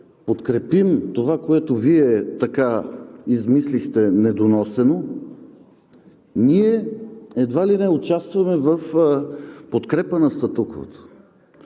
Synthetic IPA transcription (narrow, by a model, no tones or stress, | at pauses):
pot̪kɾɛpimt̪ovakoɛt̪oviɛt̪ɐkaizmislixt̪ɛnɛd̪onɔsɛno | niɛɛd̪valinɛʊt͡ʃast̪vɐmɛvəf | pot̪kɾɛpənɐst̪ɐt̪ukovə̰t̪ə̥